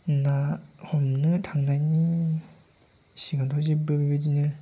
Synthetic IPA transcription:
nahɔmnɯtʰaŋnani | siɡantʰɔzibɯbibɯdinɯ

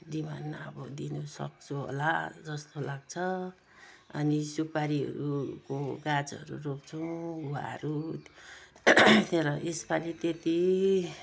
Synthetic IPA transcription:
d̪ima̰nːaʌbʌd̪inusʌ̰k̚t͡sʰuɦo̰la̰d͡zʌst̪olaɡt͡sʰʌ | ʌ̰nisupaɾiɦʌ̰ɾukoɡad͡zʌ̰ɾṵrok̚t͡sʰʌw̃a̰ɦʌ̰ɾu | t̪eɾʌʔespalit̪et̪i

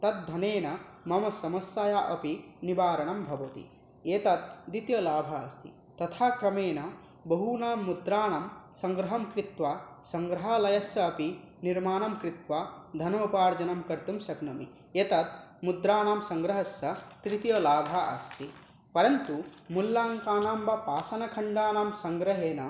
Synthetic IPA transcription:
t̪ɐt̪̚d̪ʱɐneːnɐmɐmɐsɐmɐsjaːjaːʔɐpinibaːɾɐɳɐmbʱɐʋɐt̪ḭ | eːt̪ɐt̪̚d̪it̪jɐlaːbʱɐːst̪ʰḭ | t̪ɐt̪ʰaːkɾɐmeːnɐ | bɐɦunaːmːud̪ɾaːɳɐmsɐŋɡɾɐɦɐmkɾit̪ʋasɐŋɡɾɐɦalɐjɐsjɐːpi | niɾmaːnɐmkɾit̪ʋaːd̪ʱɐnɐupaːɾd͡ʒɐnɐmkɐɾt̪umsɐɡnɐmḭ | eːt̪ɐt̪̚mud̪ɾaːnaːmsɐŋɡɾɐɦɐsːɐt̪ɾit̪jɐlaːbʱaʔɐ̰st̪ʰi | pɐɾɐnt̪umulːaːŋkaːɳaːmbɐpaːsɐnɐkʰɐɳɖaːnaːmsɐŋɡɾɐɦeːnɐ

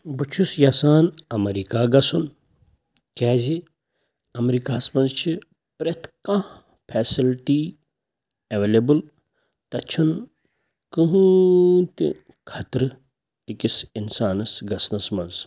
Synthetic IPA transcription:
but͡ʃʰusjasaːnɐmɐɾiːkaːɡɐsun | kɛːzi | ɐmɾiːkaːsmɐnzt͡ʃʰi | pɾet̪ʰkã | pʰeːsilʈiː | ɐʋeːlebɨl | t̪ɐt͡ʃʰun | kɨɦut̪ḭ | kʰɐt̪ɾɨ | ikisinsaːnɐsɡɐsnɐsmɐnz

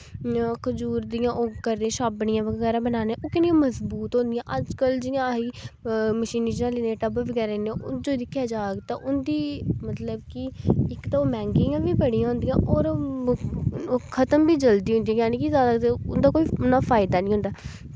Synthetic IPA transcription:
kʊd͡ʒuːɾd̪ijãːʔoːkəɾd̪ẽʃaːbɽɪjãːʋəɡɡɛːɾaːbənaːneːʔoːkɪnɪ̃jãːməsbuːt̪ɦõnd̪ɪjãːʔəd͡ʒkəld͡ʒɪjãːiːməʃiːnid͡ʒinãːliːnẽːʈəbəʋəɡɛːɾaːnʔʊd͡ʒoːd̪ɪkʰːjaːd͡ʒaːɡet̪ãːʔʊnd̪iːmət̪ləbkɪɪkt̪aːoːbɛ̃ːŋkɪjãːʋiːbəɽijãːɦʊ̃nd̪ɪjãːʔoːɾ | kʰət̪əmbiːd͡ʒəld̪iːɦʊ̃nd̪ĩjãjaːniːk̬izjaːd̪aːt̪ʊnd̪aːkoːiːʊnaːfʰaːɪd̪aːnĩːɦʊ̃nd̪aː

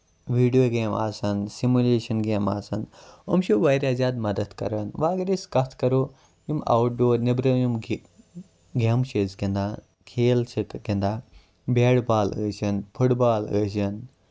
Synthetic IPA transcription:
ʋiːɖijoɡeːma̰ːsɐnsimuleːʃɐnɡeːma̰ːsɐnomʃoʋɐjɾʲjaːzaːd̪mɐd̪ɐd̪kɐ̰ɾɐnʋaːɡɾiskɐt̪ʰkɐɾoː | ima̰wʈ̚ɖoːɾnibɾɐjim | ɡemʃezɡind̪aː | kʰeːlt͡ʃʰit̪ɡind̪aː | beːɽbaːləːʃɐnpʰuʈbaːlə̰ːʃɐn

